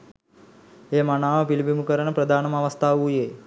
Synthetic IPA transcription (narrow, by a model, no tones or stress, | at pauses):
ɦemaɳaʋɐpilbimukəɾəɳɐpɾəd̪ʱanɐmaʋəst̪ʰaʋuje